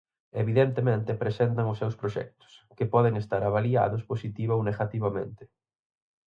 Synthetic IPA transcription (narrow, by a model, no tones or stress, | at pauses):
eβiðent̪emẽnt̪ɪpɾesent̪ɐŋʊsːewspɾoʃɛ̰k̚t̪ʊ̥skɪpɔðeŋest̪aɾaβalia̰ðʊsposit̪iβaowneɣat̪iβamḛ̃nt̪ɪ̥